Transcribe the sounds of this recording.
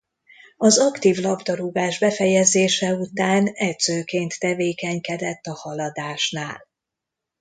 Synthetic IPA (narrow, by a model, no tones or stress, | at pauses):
ɒzɒkt̪iːvlɒbd̪ɒɾuɡaːʒbɛfɛjɛzeːʃɛut̪aːnɛdz̥øːkeːnt̪ːɛveːkɛɲkɛd̪ɛt̪ːɒhɒlɒd̪aːʃnaːl